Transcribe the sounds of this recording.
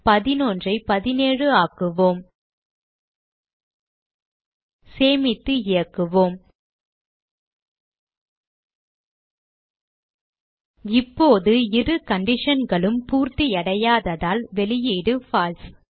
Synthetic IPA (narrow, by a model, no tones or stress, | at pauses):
pɐðɪnoːndrɐɪpɐðɪneːɻɯaːkɯʋoːm | seːmɪt̪ːɯɪjɐkːɯʋoːm | ɪpːoːðɯɪrɯkɐɳɖɪʂɐnɡɐɭɯmpuːɾt̪iɐɽɐjaːðɐðaːlʋɛɭɪjeːɽɯfaːls